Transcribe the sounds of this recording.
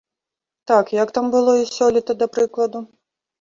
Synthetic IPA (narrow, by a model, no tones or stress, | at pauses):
t̪akjɐkt̪ambɨlˠɔisʲɔlʲit̪ɐd̪ɐpɾɨklˠɐd̪u